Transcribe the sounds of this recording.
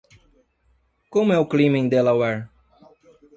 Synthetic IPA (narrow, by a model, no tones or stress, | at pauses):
kõmʊɛʊklĩmẽd̪elawɛɾ